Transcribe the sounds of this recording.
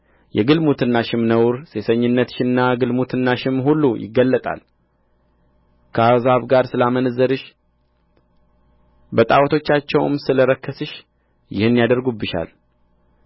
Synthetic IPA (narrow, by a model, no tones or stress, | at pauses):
jɛɡɨlmut̪ʰɨnːaʃɪmnəwɾse̞səɲːɪnːət̪ʃɪnːaɡɨlmut̪ʰɨnːaʃɪmhulːujɪ̰ɡːəlːət̪ʼa̰l | kʰəazaβɡaɾsɨlamənəzːəɾɨʃ | bət̪ʼawt̪ʰo̞t͡ʃːat͡ʃːɛwmsɨləɾəkːəsɨʃ | jɪhɨnːijad̪əɾɡubːɨʃa̰l